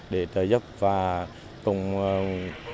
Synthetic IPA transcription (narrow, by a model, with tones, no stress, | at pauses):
ɗe˧˩t̪əː˨˩zə˦˥p̚vaː˨˩ | t̪ʊ˨˩ŋ͡m